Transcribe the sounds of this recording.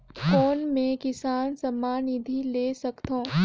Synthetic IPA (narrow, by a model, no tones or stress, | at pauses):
kɔːnmẽkɪsaːnsɐmːaːnid̪ʱileːsɐkt̪õː